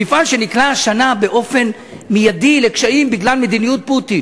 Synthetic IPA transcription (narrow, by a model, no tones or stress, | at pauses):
ifalʃe̞niklaʃanabe̞ʔo̞fe̞n | mijadilekʃaimbiɡlalme̞d̪inijut̚putin